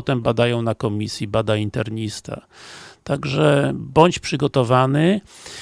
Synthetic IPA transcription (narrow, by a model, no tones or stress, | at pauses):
ɔt̪ɛmbad̪ajɔ̃w̃nakɔmʲisʲjibad̪aint̪ɛɾɲist̪a̰t̪aɡʐɛbɔɲt͡ɕpʂɘɡɔt̪ɔvanɘ